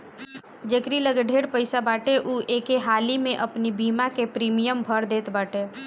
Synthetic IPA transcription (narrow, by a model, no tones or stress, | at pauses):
d͡ʒəkɾiləɡɖʱeːɾpəɪsabaːʈeʔuːʔeːkeɦaːlimẽʔəpnibʱiːmakepɾiːmijəmbʱəɾd̪eːt̪baːʈe